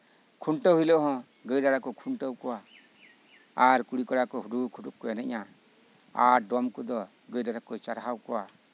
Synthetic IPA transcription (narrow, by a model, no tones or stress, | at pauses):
kʰuɳʈəɦujlɔʔɦɔ̃ | ɡəjɾaɾakɔkʰuɳʈəwkɔwa | aɾkuɽikɔɾakɔɦuɾukʰuʈukkːɔanɛʔa | aɾɖɔmkɔd̪ɔ | ɡəjdaɾakɔt͡ʃaɾɦawkɔwa